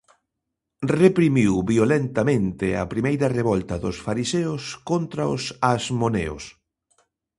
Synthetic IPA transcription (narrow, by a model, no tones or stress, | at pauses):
repɾimiwβiolent̪amẽnt̪ɪa̰pɾimejɾɐreβɔlt̪ɐðʊsfaɾiseʊskont̪ɾaʊsazmonḛʊ̰s